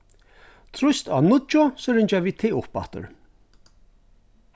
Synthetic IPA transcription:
t̪ʰɾʊst̪a̰nʊt͡ʃʊsɔɾɪɲt͡ʃaviːt̪ʰeʊpa̰ht̪ə̰ɹ

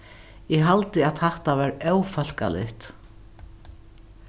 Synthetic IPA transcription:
jɛɣɦalt̪ɪaðθɛht̪avaɾœwfœl̥ka̰lɪ̰ht̪

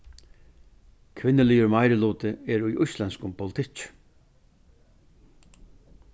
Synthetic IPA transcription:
kʰʋɪnːɪlijʊɾmajɾɪluːt̪ɪɛɾujʔʊjslɛnskʊmpʰɔlɪt̪ʰɪt͡ʃ

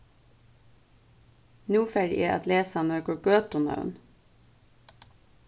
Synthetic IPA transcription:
nʉːfæɖɪ̰ʔeːʔɑ̰t̪leːsɑnøːkɔkøːt̪ʊnɑ̰ʉ̰n

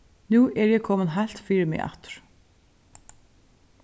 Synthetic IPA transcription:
nuːʔɛɾjɛkʰɔːmənɦajl̥t̪fiːɾɪɾmɪ̰ɣa̰ht̪ʏ̥ɾ̥

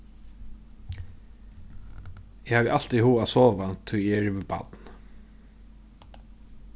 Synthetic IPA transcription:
ɪhaːvɛʔal̥t̪ihuːasɔːvant̪ʰːʊjɛɛɹvɪba̰t̪n

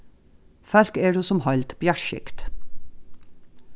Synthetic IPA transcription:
fælkeːɖʉːsɔmhɑlt̪b̥jæʈʃɪ̰kt̪

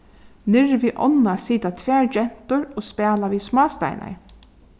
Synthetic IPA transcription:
nɪɹʋiːʔɔ̰nːasiːt̪at̪ʰvæːɹd͡ʒɛn̥t̪ʊɹɔːspæːlaʋiːsmɑːst̪a̰ɪnʔa̰ɹ

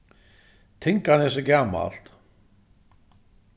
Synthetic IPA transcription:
t̪ʰeŋkanɛs̬ʏcaːma̰l̥t̪

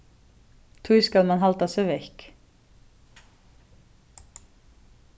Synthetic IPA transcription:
t̪ʰujskalmanɦalt̪asœvejhk

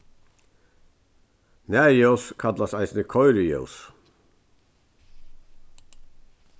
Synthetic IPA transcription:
næjœwskʰat̪lasaɪsnəkʰɔʏɾʏjœ̰ws

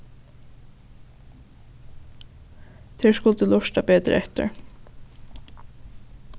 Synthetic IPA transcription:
t̪ʰɛːɹskʊlt̪əlɔʂt̪apɛːt̪ɾ̰ɛht̪ɪ̰ɹ

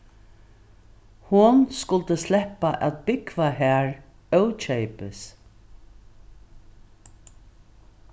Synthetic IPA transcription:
hʊnskʊlt̪əslɛpːaʔæt̪̚bɪkvaɦæːɹ | œwt͡ʃʰejpɪs

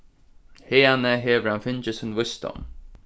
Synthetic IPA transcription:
heːanəɦeːʋəɾanfɪnt͡ʃəsʊnvʊst̪ɔ̰m

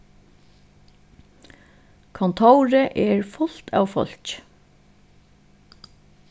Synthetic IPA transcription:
kʰɔnt̪ʰowɾəʔɛɹfʊl̥t̪ʰa̰ːʋfɔ̰l̥c

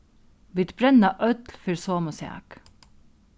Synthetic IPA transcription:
bɪt̪bɾɛnɑʔœt̪lfʏɾsoːmʊsɛɑ̰k

